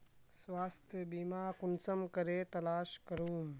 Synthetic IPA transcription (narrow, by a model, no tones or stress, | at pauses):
sʋaːst̪ʰjəbiːmaːkunsɐmkɐɾeːt̪ɐlaːʃkɐɾuːm